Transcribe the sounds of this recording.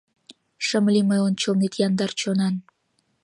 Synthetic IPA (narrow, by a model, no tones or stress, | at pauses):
ʃəmliməjonʲt͡ɕolnet̪jɑnd̪ɑrt͡ɕonɑn